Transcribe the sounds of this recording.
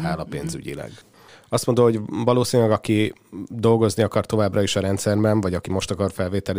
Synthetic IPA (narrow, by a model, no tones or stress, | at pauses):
ɦaːlɒpḛːnzy̰ɟḭlɛ̰ɡ | ɒst̪mooɦo̞ɟvɒloːsiːnylɛɡɒki | d̪o̞lɡo̞zniɒkɒrt̪o̞vaːbrɒiʃɒɾɛnt̪sɛrbɛɱvɒɟɒkimo̞ʃt̪ɒkɒrfɛlveːt̪ɛl